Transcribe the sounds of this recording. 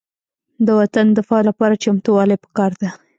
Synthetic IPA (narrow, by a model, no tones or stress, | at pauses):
d̪əwat̪and̪əfɑlapɑɾat͡ʃamt̪uwɑlajpə̥kɑɾd̪a